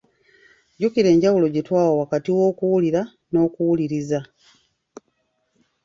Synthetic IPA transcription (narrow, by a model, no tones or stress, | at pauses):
ɟukiɾe̞ːɲɟawulo̞ɟitwaːwowakatiwo̞ːkuwuliɾa | no̞ːkuwuliɾiza